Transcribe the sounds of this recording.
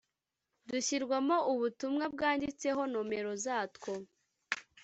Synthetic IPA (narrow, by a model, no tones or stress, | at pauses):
duçiɾɡwamo̞ʔuβutumŋab̚ɡaːndit͡se̞ɦo̞nome̞ɾo̞zaːtko